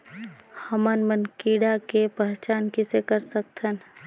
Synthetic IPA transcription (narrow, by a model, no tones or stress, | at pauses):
həmənmənkiːɽakepɛɦt͡ʃaːnkɪsekəɾsək̚t̪ən